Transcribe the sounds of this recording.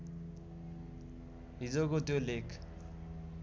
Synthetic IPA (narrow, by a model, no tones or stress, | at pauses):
ɦid͡zokot̪jolekʰ